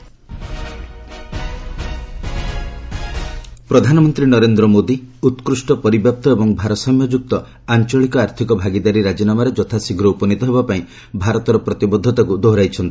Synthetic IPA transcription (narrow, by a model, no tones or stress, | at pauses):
pɾɔd̪ʱanɔmɔnt̪ɾinɔɾend̪ɾɔmod̪iut̪kɾusʈɔpɔɾibjap̚t̪ɔebɔŋbʱaɾɔsɔmjɔd͡ʒuk̚t̪ɔ | ant͡ʃɔɭikɔaɾt̪ʰikɔbʱaɡid̪aɾiɾad͡ʒɔnamaɾed͡ʒɔt̪ʰasiɡɾɔupɔnit̪ɔɦebapaĩ | bʱaɾɔt̪ɔɾɔpɾɔt̪ibɔd̪ʱːɔt̪akud̪oɦɾajt͡ʃʰɔnt̪i̥